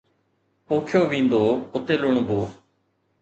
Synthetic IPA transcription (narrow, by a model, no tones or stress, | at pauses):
poːkʰjoːʋĩːnd̪oːʊt̪eːlʊɳboː